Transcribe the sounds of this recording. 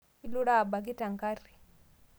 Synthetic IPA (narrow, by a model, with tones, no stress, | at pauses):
i˦lu˦ɾa˦˨ba˨k̬i˦ta˨ŋka˦ɾi˨